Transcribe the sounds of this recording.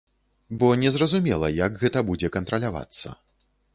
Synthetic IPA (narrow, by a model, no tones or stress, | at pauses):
bɔnʲɛzrɐzumʲɛlˠɐjakɣɛt̪ɐbud͡zʲɛkɐnt̪ɾɐlʲava̰t̪sːɐ̰